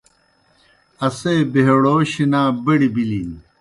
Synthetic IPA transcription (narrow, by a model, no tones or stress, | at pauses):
ɐseːbeɦeɽoːɕinaːbɐɽibilin